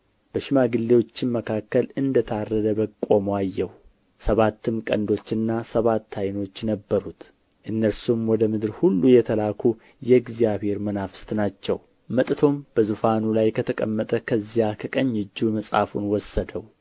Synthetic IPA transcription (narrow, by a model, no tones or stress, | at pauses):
b̥əʃɪmaɡɨlːewo̞t͡ʃːɪnməkʰakːəlɨnd̪ət̪ʰarːəd̪əbəkʼo̞majːɛw | səβat̪ːɨmkʼə̰nd̪o̞t͡ʃːɨnːasəβat̪ʰːajno̞t͡ʃːnəbːəɾut̪ | ʔɨnːəɾsumwɔd̪əmɨd̪ɨɾhulːujɛt̪ʰəlakʰu | jɛɡzjaβhe̞ɾmənafɨ̥st̪nat͡ʃːɛw | mət̪ʼt̪ʰo̞mb̥əzufanulajkʰət̪ʰəkʼəmːət̪ʼəkʰəzijakʰəkʼəɲːɨd͡ʒːuməsʼa̰funwɔsːəd̪əw